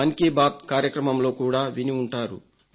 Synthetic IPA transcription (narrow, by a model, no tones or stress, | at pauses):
ɐnikiːbaːt̪̚kaːɾjɐkɾɐmɐmlo̞ːkuːɽaːʋiniuɳʈaːɾṵ